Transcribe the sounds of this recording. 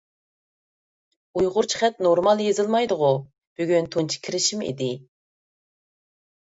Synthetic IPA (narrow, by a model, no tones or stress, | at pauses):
ujʁʊɾt͡ʃʰi̥χɛt̪̚noɾmɑlˠjezɨlˠmɑjd̪ʊʁʊ | b̥yɡʲynt̪ʰunt͡ʃʰi̥kʲʰiɾɪʃimḭd̪ɪ